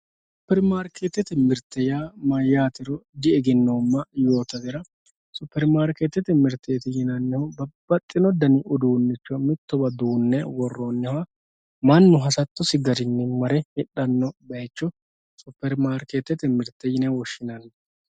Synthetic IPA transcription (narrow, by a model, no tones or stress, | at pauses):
ss | ʊpːɛɾmaːɾkʰet̪ːɛt̪ɪmɪɾt̪ːɛjaːmɐjaːt̪ɪɾɔd̪ɪɛɡɪnːomːɐjo̞ːt̪ɐɡ̪ɛɾɐ | sʊpːɛɾmaːɾket̪ːɛt̪ɪmɪɾt̪ʰːet̪ɪjɪnɐnːɪhɔbɐb̥ɐt̪ʼːɪnɔd̪ɐnɪʔʊd̪uːnːɪt͡ʃːɔmɪt̪ːɔbɐd̪uːnːɛwɔrːoːnːɪhɐ | mɐnːʊɦɐsɐt̪ːɔsɪɡɐɾɪnːɪmɐɾɛhɪᶑːɐnːɔbɐjt͡ʃːɔ | sʊpːɛɾmaːɾket̪ːɛt̪ɪmɪɾt̪ːɛjɪnɛwɔʃɪnɐnːɛ